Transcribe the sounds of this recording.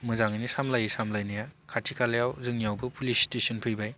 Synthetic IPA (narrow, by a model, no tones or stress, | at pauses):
mɯzaŋinisamlajɯsamlajnajakʰatʰikʰalejawzɯŋniawbɯpʰulistesɔnpʰɯjbaj